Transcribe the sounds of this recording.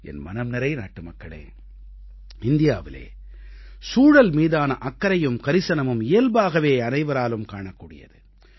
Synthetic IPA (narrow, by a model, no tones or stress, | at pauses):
ɛ̰nmɐnɐmnɐɾɐɪna̰ːʈːɯmɐkːɐɭḛː | ɪnd̪ɪjaːʋɪlḛː | suːɽɐlmiːðaːnɐʔɐkːɐɾɐjɯmkɐɾɪsɐnɐmɯmɪjɐlbaːɣɐʋeːɐnɐɪʋɐɾaːlɯmkaːɳɐkːuːɽɪjɐ̰ðɯ